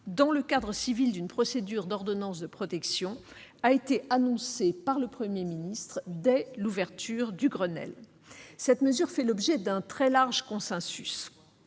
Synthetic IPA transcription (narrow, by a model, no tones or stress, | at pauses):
d̪ɑ̃ləkad̪ʁəsivild̪ynpχɔsed̪yʁd̪ɔʁd̪ɔnɑ̃sd̪əpχɔt̪ɛksjɔ̃ | aet̪eʔanɔ̃sepaʁləpχəmjeminist̪χd̪ɛluvɛʁt̪yʁd̪yɡʁənɛ̰l | sɛt̪məzyʁfɛlɔbʒɛd̪ɛ̃t̪χɛlaʁʒkɔ̃sɛ̃sys